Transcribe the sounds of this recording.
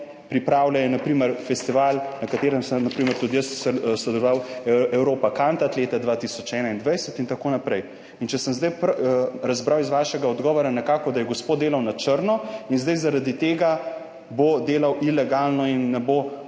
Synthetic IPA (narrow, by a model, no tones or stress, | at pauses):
pɾipɾaːwlʲajɛnapɾiːməɾfɛst̪iʋalnɐkat̪eːɾɛmsənapɾiməɾt̪ud̪ijəsssɛd̪ɔlɔʋawɛwɾoːpakant̪at̪leːt̪ad̪ʋaːt̪isɔt͡ʃɛːnaind̪ʋɐjsɛt̪int̪akoːnapɾɛj | int͡ʃɛsəmzd̪ajpɾazbɾawizʋaːʃɛɡaɔd̪ɡɔːʋɔɾanɛkaːkɔd̪ajɛɡospoːd̪d̪eːlawnat͡ʃəɾnɔinzd̪ajzaɾad̪it̪eːɡa | bod̪eːlawʔilɛɡalnɔinːɛbo